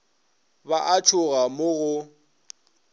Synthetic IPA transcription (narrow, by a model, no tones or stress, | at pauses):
baʔat͡ʃʰʊɣamʊɣʊ